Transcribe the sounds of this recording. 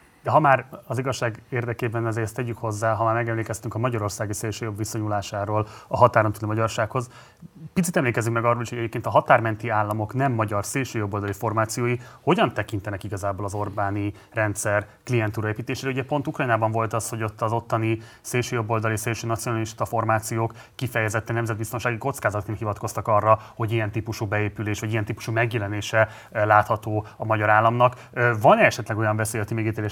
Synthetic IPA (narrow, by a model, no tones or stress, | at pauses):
d̪ɛɦɒmaːɾɒziɡɒʃːaːɡeːrd̪ɛkeːbɛnɛzeːst̪ɛɟykho̞zːaːɦɒmaːrmɛɡɛmleːkɛst̪yŋkɒmɒɟɒɾo̞rsaːɡiseːlʃøːjo̞bʋiso̞ɲulaːʃaːɾoːlɒɦɒt̪aːɾont̪ylimɒɟɒrʃaːkho̞z | pit̪sit̪ɛmleːkɛzikmɛɡɒrːoːliʃhoɟɛɟeːpkeːnt̪ɒɦɒt̪aːrmɛnt̪iaːlːɒmo̞knɛmːɒɟɒrseːlʃøːjobːo̞ld̪ɒlifo̞rmaːt̪sijoːjiho̞ɟɒnt̪ɛkint̪ɛnɛkiɡɒzaːbolɒzo̞rbaːni | rɛnt̪sɛr | kliɛnt̪uːɾɒeːpit̪eːʃeːɾɛuɟɛpo̞nt̪ukrɒjnaːbɒɱvo̞lt̪ɒsho̞ɟo̞t̪ːɒzo̞t̪ːɒni | seːlʃøːjo̞bːo̞ld̪ɒliseːlʃøːnɒt̪sionɒliʃt̪ɒfo̞rmaːt̪sijoːkːifɛjɛzɛt̪ːɛnɛmzɛd̪bist̪o̞nʃaːɡiko̞t̪skaːzɒt̪neːlhivɒt̪̚ko̞st̪ɒkɒrːɒho̞ɟijɛnt̪iːpuʃubɛeːpyleːʃvɒɟijɛnt̪iːpu̥ʃumɛɡjɛlɛneːʃɛ | laːt̪hɒt̪oːɒmɒɟɒɾaːlːɒmnɒk | vɒnɛɛʃɛt̪lɛɡo̞jɒɱvɛseːjɛt̪imeːɡit̪eːle